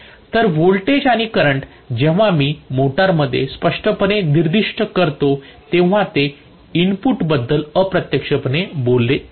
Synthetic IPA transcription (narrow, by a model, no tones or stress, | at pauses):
t̪əɾʋoɭʈed͡ʑaɽ̃ikəɾəɳʈ | d͡ʑeʋ̤amiːmoʈaɾməd̪ʱːjḛspəʂʈəpəneniɾd̪iʂʈʰəkəɾt̪ot̪ẽʋ̤at̪e | inpuʈbəd̪ːələpɾət̪jəkʂəpənebolːe